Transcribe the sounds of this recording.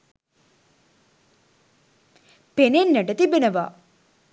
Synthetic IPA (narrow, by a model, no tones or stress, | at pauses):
penenːəʈət̪ibenəʋa